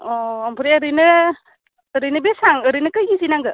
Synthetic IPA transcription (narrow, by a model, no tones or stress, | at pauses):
ɔampʰɯɾeɐɾɯjnɯː | ɾɯjnɯbesaŋɯɾɯjnɯkɯjɡizinaŋɡɯ